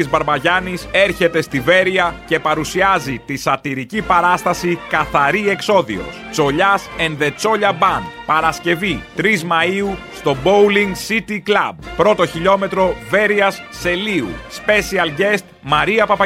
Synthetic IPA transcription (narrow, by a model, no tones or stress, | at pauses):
izbɐɾbɐʝɐnise̞ɾçe̞t̪e̞st̪ive̞ɾiɐce̞pɐɾusiɐzit̪isɐt̪iɾicipɐɾɐst̪ɐsikɐθɐɾie̞kso̞ðḭo̞̰st͡so̞ʎɐse̞nðe̞t͡so̞ʎɐbɐnpɐɾɐsce̞vit̪ɾizmɐiust̪o̞bowliŋɡsit̪iklɐb̚pɾo̞t̪o̞çiʎo̞me̞t̪ɾo̞ve̞ɾiɐsːe̞liṵspe̞siɐlɟe̞st̪mɐɾiɐpɐpɐ